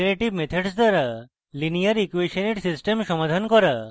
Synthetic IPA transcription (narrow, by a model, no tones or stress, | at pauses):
ɾeʈibmet̪ʰeɖsd̪aɾa | linijaɾikuweʃɔneʈsisʈemʃɔmad̪ʱankɔɾa